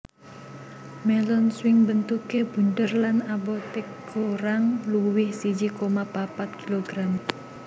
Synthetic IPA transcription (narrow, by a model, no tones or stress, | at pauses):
mɛlɔnswɪŋbənt̪ukeb̥ṳnt̪ərlanabot̪ek | oɾaŋluwɪhsid͡ʒikomapapat̪̚kiloɡ̥ɾam